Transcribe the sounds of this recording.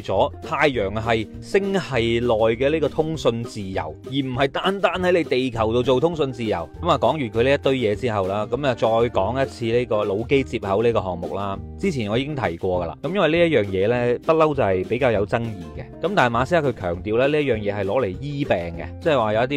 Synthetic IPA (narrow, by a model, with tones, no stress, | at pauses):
t͡sɔː˨˥t̪ʰaː˧jjœː˨˩ŋɦɐ˨j | sɪ˥ŋhɐ˨jlɔː˨jkɛː˧liː˥kɔː˧t̪ʰʊ˥ŋsɵ˧nt͡siː˨jɐ̰˨˩wjiː˨˩m̩˨˩hɐ˨˩jt̪aː˨˥nt̪aː˥nhɐ˨˥jle˨˧jt̪e˨jkʰɐ˨˩wt̪o˧wt͡so˨wt̪ʰʊ˥ŋsɵ˧nt͡siː˨jɐ̰˨˩wkɐ˨˥maː˨˧kɔː˨˥ŋjyː˨˩nkʰɵ˨˧le˥jɐ˥t̪ːɵ˧˥ɥjɛː˨˧t͡siː˥hɐ˨wlaː˥kɐ˨˦mɐː˨t͡ʃɔː˧jkɔː˨˥ŋjɐ˥t̚t͡sʰiː˧liː˥kɔː˧lo˨˧wke˥jt͡siː˧p̚hɐ˨˥wliː˥kɔː˧ɦɔː˨ŋmʊ̰˨k̚laː˥t͡siː˥t͡sʰiː˨˩nɔ˨˧iː˧kɪ˥ŋt̪ʰɐ̰˨˩jkʷɔː˧ɡɐ˧la̰ː˧˩kɐ˦mjɐ˥nwɐ˨jliː˥jɐ˥t̚jœː˨ŋjɛː˨˧lɛː˥pɐ˥t̚lɐ˥wt͡sɐ˨whɐ˨˩jpe˨˥jkaː˧wjɐ˨˧wt͡sɐ˥ŋjiː˨˩kɛ˧kɐ˨˦mt̪aː˨n˨˩maː˨˧siː˥a˦˥kʰɵ˨˧ɥkʰœ̰ː˨˩ŋt̪iː˨˧wlɛː˥li˥ɐ˥t̚jœː˨˩ŋjɛː˨˧hɐ˨jlɔː˨˥le˨˩jjiː˥pɛː˨ŋkɛ̰˧t͡sɛ˥ɛ˨˩waː˨jɐ˧wjɐ˥t̪̬i˥